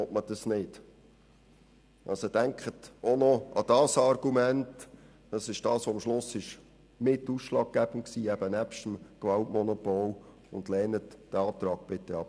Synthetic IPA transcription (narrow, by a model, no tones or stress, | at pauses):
ɔtməd̥ɑsnɪd | ɑ̰lsəd̥æŋkχətonɔʔɑd̥ɑːsɑrɡ̥umænt | d̥ɑsɪʃd̥ɑːsʋoɑmʃlʊsːɪʃ | mɪt̪ːuːsʃlɑːɡ̚ɡ̥æb̥ənksiːɛbənæpʃtəmɡ̥ʋɑltmɔnɔpol | ʊnd̪lɛːnətd̥ɛɑːt̪ɾɑːɡ̥̚b̥ɪtːɛɑp